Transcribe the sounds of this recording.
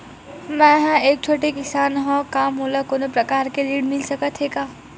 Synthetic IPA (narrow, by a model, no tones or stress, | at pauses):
mɛ̃ɦɛ̃eːk̚t͡ʃʰoːʈekɪsaːnɦõkaːmɦoːlakoːnopɾɐkaːɾkeliːɽmɪlsɐkət̪ʰɦeːɡaː